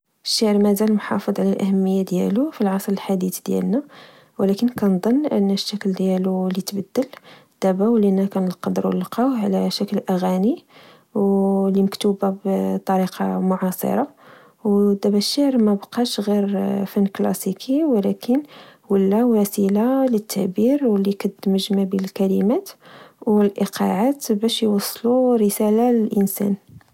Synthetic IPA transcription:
əʃːaʕɾmæzælmħɑ̰fəd̪ˤʕlælʔæhəmːəjːad̪jæ̰lufilʕɑsˤɾəlħad̪it̪d̪jæ̰lnæ | wlækənkænd̪ˤənːʔə̰nːæʃːækld̪jælulit̪bəd̪ːəl | d̪̥æbæwlinækænəlqɑd̪əɾw̰ləlqɑwʕlæʃæklʔæɣæni | wliməkt̪ubabt̪ˤːɑɾiqɑ̰mʊʕɑsˤə̰ɾˤɑ | wd̪æbæʃːəʕɾmæbqɑʃɣiɾfænːklɑ̰sikʰiwlækənwəlːæwæsilalət̪ʰːæʔbiɾwəlːiqɑd̪ːəməʒmæbilkælimæt̪wəlʔiqɑ̰ʕat̪bæʃjwɑsˤːluɾəsælaləlʔənsæ̰n

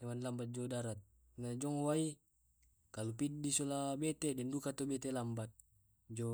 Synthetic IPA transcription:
dewanlambat̪̚d͡ʒɔdaɾat̪̚ | nad͡ʒɔŋwai | kalupid̚disolabɛt̪edɛndukat̪obɛt̪elambat̪̚ | d͡ʒɔ

